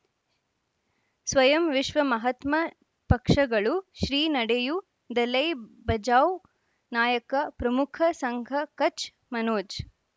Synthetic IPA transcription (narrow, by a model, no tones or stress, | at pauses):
sʋɐjɐmʋiʂʋɐmɐɦɐt̪mɐ | pɐkʂɐɡɐɭuʃɾiːnɐɽeju | d̪ɐlɐjbɐd͡ʒaːw | naːjɐkɐpɾɐmukʰɐsɐŋɡʱɐkɐt͡ʃ | mɐnoːd͡ʒ